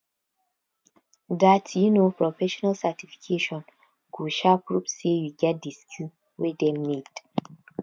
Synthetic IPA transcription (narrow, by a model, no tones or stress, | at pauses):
datjunopɹɔfɛʃɔnalsatifi̥kʰeʃɔ̃n | kuʃapɹupsejuɡɛt̚diskʰju | wedɛmmed